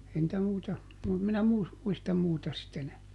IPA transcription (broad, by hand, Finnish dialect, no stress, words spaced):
ei ntæ muitɑ mu minæ muis muistɑm muːtɑ sit enæː